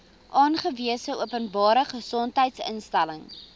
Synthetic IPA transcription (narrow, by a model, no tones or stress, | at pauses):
ʔɑːnχəviəsəuəpənbɑːɾəχəsɔntɦəjtsə̰nstæləŋ